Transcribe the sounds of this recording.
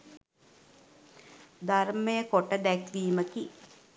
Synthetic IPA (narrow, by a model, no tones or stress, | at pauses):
d̪ʱarməjəkoʈəd̪ækʋiːməki